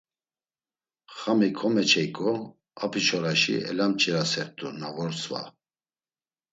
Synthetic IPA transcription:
χamikʰɔmɛt͡ʃʰɛjkʼɔ | apʰit͡ʃʰɔɾaʃḭɛ̰lamt͡ʃʼiɾasɛɾt̪ʼunavɔɾsva̰

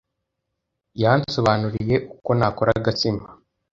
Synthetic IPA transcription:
janso̞βaːnuɾije̞ʔuko̞nakoɾaɡat͡sima

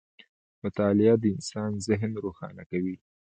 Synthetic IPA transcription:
mʊt̪ɑlɪad̪əɪnsɑnzɪɦnɾoxɑ̰nakawi

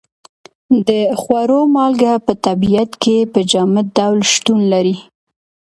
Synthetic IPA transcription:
d̪əxwaɾomɑlɡapət̪abijat̪kepəd͡ʒɑmɪd̪awlʃt̪unlaɾi

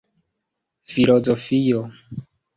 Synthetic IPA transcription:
filozofio

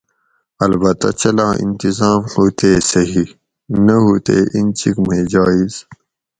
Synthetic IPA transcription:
ɐlbɐt̪ɐ̰t͡ɕɐlãːʔḭnt̪izaːmhuːt̪eːsɐɦi | nɐɦuːt̪ḛːʔint͡ɕikmeːd͡ʑɑːiz

